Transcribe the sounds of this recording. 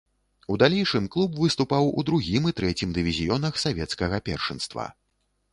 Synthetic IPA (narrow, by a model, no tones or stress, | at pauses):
ud̪alʲɛjʂɨmklˠubvɨst̪upawṵd̪ɾuɣʲimɨt̪ɾɛt͡sʲimd̪ɨvʲizʲijɔnɐxsavʲɛt̪skɐɣɐpʲɛ̰rʂɨnst̪vɐ̰